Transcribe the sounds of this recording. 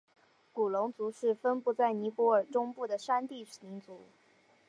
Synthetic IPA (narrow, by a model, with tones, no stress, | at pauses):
ku˨˩lʊ˧˥ŋt͡su˧˥ʂɻ̩˥˩fə˥npu˥˧t͡sa˥˩ɪni˧˥pwɔ˧˥ə˞˨˩ʈ͡ʂʊ˥ŋpu˥˩d̪ə˩ʂa˥nt̪i˥˩˨ni˧˥ŋt͡su˧˥